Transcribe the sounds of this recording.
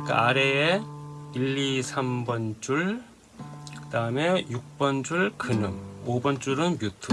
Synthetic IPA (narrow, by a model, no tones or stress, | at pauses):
kɯaɾeeiʎːisʰambʌnt͡ɕuɭ | kkɯdaɯmejuk̚p͈ʌnd͡ʑuɭkɯnɯmobʌnt͡ɕ͈uɾɯnbjutʰu